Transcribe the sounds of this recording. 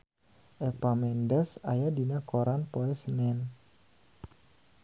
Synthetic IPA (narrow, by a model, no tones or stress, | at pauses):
ʔɛpamɛndɛsa̰jadinakoɾanpoɛsənɛn